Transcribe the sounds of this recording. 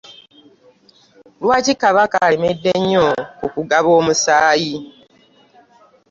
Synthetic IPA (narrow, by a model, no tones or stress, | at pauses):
lwaːcikaβakaleme̞dːe̞ɲːokukuɡaβo̞ːmusaːji